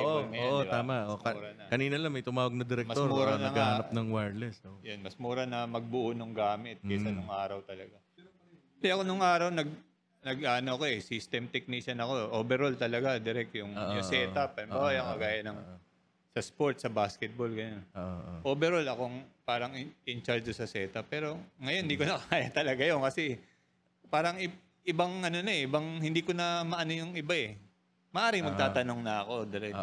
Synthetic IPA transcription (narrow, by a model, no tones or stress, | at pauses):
oʔomoːʔoɪbt̪aːmɐʔouɾɐnɐkɐniːnɐlɐŋmɐjt̪ʊmaːwɐɡ̚nɐd̪ɛɾɛkmɐsoɾmuːɾɐnɐŋɡahɐɐp̚nɐŋwaɹd̪lɛsojonmɐsmuːɾɐnɐmɐɡ̚bʊʔunoŋɡaːmɪt̪̚ɐsɐnʊŋʔaːɾɐwt̪ɐlɐɡa | d̪ɛʔɐkonʊŋʔaːɾɐwnɐɡ̚ | nɐɡʔaːʔɐnoʔɐko̞ʔɛsist̪ɛmt̪ɛk̚niʃɐnɐko̞ʔobɛɾolt̪ɐlɐɡad̪ɪɾɛk̚t̪jʊŋːʔjʊsɛɐpɐɐmbaːajɐŋkɐɡaːjɐnɐŋ | sɐspoɹt̪̚sɐbaːskɛt̪̚bolɡɐnonʔoːbɛɾolɐkoŋpaːɾɐŋɪnt͡ʃaɹd͡ʒ̪ʊsɐsɛːt̪ɐpːɛːɾo̞ŋɐjond̪iːkonɐkɐaːjɐt̪ɐlɐɡajonkɐsɛ | paːɾɐŋɪ | ɪbaŋʔɐno̞nɐɛʔɪbɐŋhɪnd̪iːkonɐmɐʔɐnojʊŋɪbaɛ | mɐʔaːɾɪŋmɐɡ̚t̪aːt̪ɐno̞ŋnɐɐko̞d̪ɪɾɛk